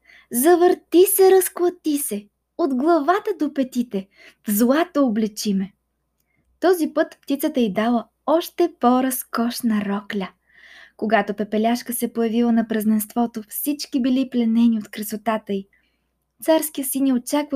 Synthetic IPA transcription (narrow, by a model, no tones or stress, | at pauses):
zɐvəɾt̪isɛɾɐsklˠɐt̪isɛ | od̪ɡlˠɐvat̪əd̪opɛt̪it̪ɛ | zlˠat̪ooblɛt͡ʃimɛ | t̪ɔzipɤt̪pt̪it̪sət̪əid̪alˠə | ɔʃt̪ɛpoɾɐskɔʃnɐɾɔklʲə | koɡat̪opɛpɛlʲaʃkəsɛpojɐvilˠənɐpɾɐznɛnst̪vɔt̪ofsit͡ʃkibiliplɛnɛniot̪kɾɐsot̪at̪əi | t̪saɾskiəsinjɛot͡ʃakvɐ